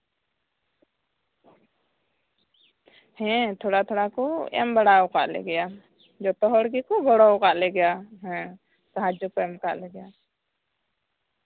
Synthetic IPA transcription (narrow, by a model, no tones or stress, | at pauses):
hɛ̃t̪ʰɔɽat̪ʰɔɽakɔɛ̰mbaɽawka̰ʔlɛ̰ɡɛja | d͡ʒɔt̪ɔɦɔɽɡikɔɡɔɽɔwkaʔlɛɡɛjaɦɛ̃ | saɦad͡ʒɔkɔɛmkaʔlɛɡɛja